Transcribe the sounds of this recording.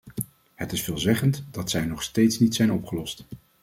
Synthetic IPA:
hətɪsfɪːlˠzɛχəntd̥ɑtsɛjnɔχstejtsnitsɛjnɔpχəlɔst

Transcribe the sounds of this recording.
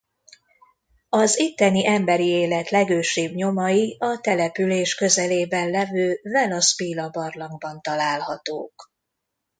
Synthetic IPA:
ɒzit̪ːɛniʔɛmbɛɾieːlɛt̪lɛɡøːʃeːbɲo̞mɒjiɒt̪ɛlɛpyleːʃkø̞zɛleːbɛnlɛvøːvɛlɒspiːlɒbɒrlɒŋɡbɒnt̪ɒlaːlhɒt̪o̰ːk

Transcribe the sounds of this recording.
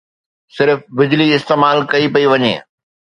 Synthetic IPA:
sɪɾfbɪd͡ʑliɪst̪eːmaːlkɐipɐiʋɐɲḛː

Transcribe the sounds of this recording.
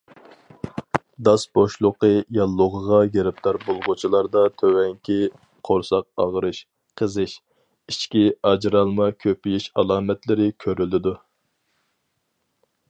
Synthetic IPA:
d̪ɑsboʃlˠʊqəjɑlˠːʊʁəʁɑɡeɾɪp̚t̪ʰɑɾbolˠʁʊt͡ʃʰilˠɑɾd̪ɑt̪ʰøwɛŋkʲʰi | qʰoɾsɑq̚ɑʁɾɨʃ | qʰəzɨʃ | it͡ʃkʲiɑd͡ʒɾɑlˠmɑkʲʰøpijiʃɑlˠɑːmɛt̪lɪɾɪkʲʰøɾylɪd̪u

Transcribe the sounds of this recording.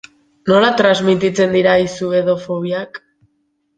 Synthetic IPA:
no̞lat̪ɾazmit̪it͡se̞nd̪iɾaisue̞ðo̞foβ̞iak

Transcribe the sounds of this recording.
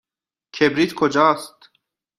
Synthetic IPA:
kʰebɾiːt̪kʰod͡ʒɒːst̪

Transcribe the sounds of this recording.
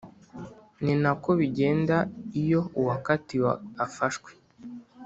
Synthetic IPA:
ninako̞βiɟe̞ːndaijo̞uwakatiwaafaʃkwe̥

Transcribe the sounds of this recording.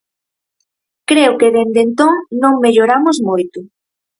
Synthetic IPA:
kɾeʊkeðend̪ent̪oŋnõŋmeʎoɾamʊzmojt̪ʊ

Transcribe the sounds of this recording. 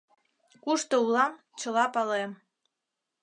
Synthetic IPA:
kuʃt̪oulɑm | t͡ɕəlɑpɑlem

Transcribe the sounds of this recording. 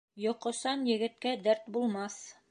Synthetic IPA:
jɒqɤ̆sɑnjɘ̆ɡɘ̆t̪̚kæd̪æɾt̪bulˠmɑs

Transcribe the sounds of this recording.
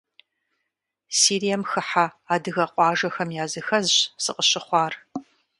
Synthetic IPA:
siːɾijɐmxɨħaaːdɨɣɐqʷʼɑːʒɐxɐmjaːzɨxɐzɕsɨqəɕɪχʷɑːr

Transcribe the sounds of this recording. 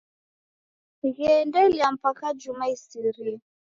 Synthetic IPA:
iɣɛndɛliam̩pakad͡ʒumaisiɾi

